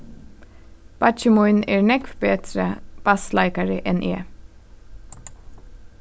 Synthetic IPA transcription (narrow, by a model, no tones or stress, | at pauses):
b̥ɑt͡ʃəmʊʏneːɹnɛkʋbeːt̪ɾəb̥ɑslaɪkɑɹəʔɛnʔeː